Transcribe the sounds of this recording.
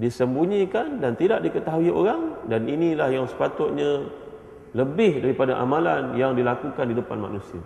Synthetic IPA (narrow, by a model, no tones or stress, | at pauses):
disəmbuɲikandant̪idaʔdikət̪aɦuio̰ɾaŋdaninilahjaŋsə̥pat̪ʊt̪̚ɲã | ləbɪhdaɾipadaʔa̰mãlanjaŋdilakukandidəpa̰nma̰ʔnusia̰